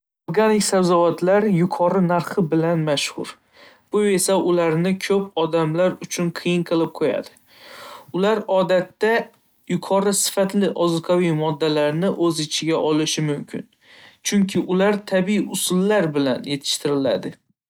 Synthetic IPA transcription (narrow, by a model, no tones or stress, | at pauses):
oɾɡanɪkʲsawzɒvat̪ʰlaɾjʊqʰɒɾɪnaɾχɪbɪlanmaʃhʊɾ | b̥ʊe̞saʔʊlaɾnɪkʲʰɵpɒd̪amlaɾʊt͡ʃʰʊnqʰɨjɪnqʰɨlˠɪp̚qʰoja̰d̪̥ɪ | ʊlaɾɒd̪at̪ːa | jʊqʰɒɾɪsɪ̥fat̪lɪʔɒzɨqʰawijmɒd̪ːalaɾnɪʔɵzɪt͡ʃʰɪɡʲaʔɒlɪʃɪmʊmkʲʰɪ̰n | t͡ʃʰʊŋkʲʰɪʔʊlaɾt̪ʰabiiʊsʊlːaɾbɪla̰nje̞t̪ʰɪ̥ʃt̪ʰɪɾɪla̰d̪ɪ